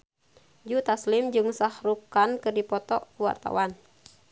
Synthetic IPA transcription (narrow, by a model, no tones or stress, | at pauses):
d͡ʒut̪aslɪmd͡ʒɨŋsahɾukankɨdipɔt̪ɔkuwa̰rt̪a̰wan